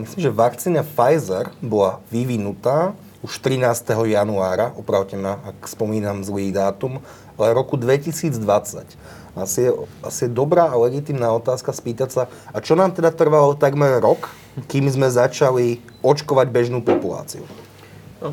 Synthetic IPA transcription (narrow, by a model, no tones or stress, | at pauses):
misliːmʒɛʋakt͡siːnafajzɛɾbɔlaʋiʋinut̪aː | uʃt̪ɾinaːst̪ɛɦɔjanuaːɾaʔɔpɾaʊcɛmaakspɔmiːnamzliːd̪aːt̪um | alɛɾɔkud̪ʋɛcisiːd͡zd̪ʋat͡sa̰c | aasiɛa̰sijɛd̪ɔbɾaːʔalɛɡit̪imnaːɔt̪aːskaspiːt̪acsa | at͡ʃɔnaːmt̪ɛd̪at̪r̩ʋalɔt̪aɡmɛrɾɔk | kiːmzmɛzat͡ʃali | ɔt͡ʃkɔʋaɟbɛʒnuːpɔpula̰ːt͡sḭṵ